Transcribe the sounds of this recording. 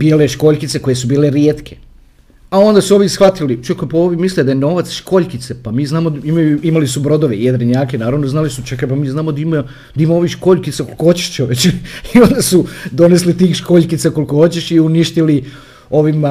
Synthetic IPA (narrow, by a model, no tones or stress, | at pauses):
b̥ijleʃko̞ʎʲkit̪se̞ko̞je̞subiːleɾjeːt̪kʰe | ao̞nd̪asuo̞ʋisxʋat̪ilit͡ʃakapaoʋimisled̪ajeno̞ʋat̪sʃko̞ʎkit̪sepamiːznaːmoimajuimalisubɾo̞d̪oʋeijed̪ɾeɲaːkenaːɾaʋnoznaːlisut͡ʃekapamiːznaːmod̪aima | d̪aimamo̞ʋiʃko̞ʎkit̪sako̞lˠkohot͡ɕe̥ʃt͡ʃoʋet͡ɕio̞nd̪asud̪o̞ne̞s̬lit̪iːxʃko̞ːʎʲkit̪sako̞lˠikoho̞t͡ɕeʃiuniʃt̪ili | o̞ʋima